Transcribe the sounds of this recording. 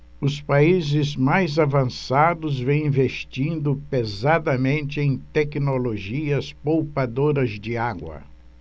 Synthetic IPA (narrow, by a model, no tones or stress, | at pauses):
ʊspaizɪzmajzavɐ̃sad̪ʊzvẽj̃ĩvest͡ʃĩnd̪ʊpezad̪ɐmẽnt͡ʃɪẽj̃t̪ɛknoloʒiɐspowpad̪oɾɐzd͡ʒɪaɡwɐ̰